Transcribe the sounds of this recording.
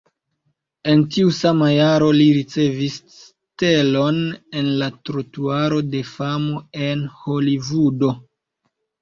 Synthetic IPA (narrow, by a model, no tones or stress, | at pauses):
e̞ntiusamajaɾo̞liɾit͡se̞vis | s | te̞lo̞ne̞nlatɾotuaɾo̞de̞famo̞e̞nho̞livudo̞